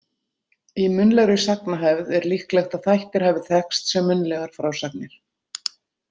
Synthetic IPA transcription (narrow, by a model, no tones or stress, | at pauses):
imʏnlɛɣɾʏsaknaɦɛvðɛɾlihklɛxt̪aðθajht̪ɪɾ̥hɛvɪ̥θɛkst̪sɛmːʏnlɛɣaɾ̥fɾawsaknɪɾ̥